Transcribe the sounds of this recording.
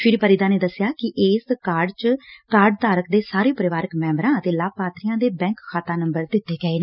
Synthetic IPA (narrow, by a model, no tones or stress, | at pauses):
pʰɪɾipəɾɪːd̪aːneːd̪əsːɪjaːkɪʔɪːskaːɾɖt͡ʃkaːɾɖ̚t̪aːɾəkd̪eːsaːɾeːpəɾɪʋaːɾəkmɛ̃ːmbɾãːət̪eːlaːpaːt̪ɾijãːd̪eːbɛ̃ːŋkkʰːaːt̪aːnəmbəɾd̪ɪt̪ːeːɡəeːn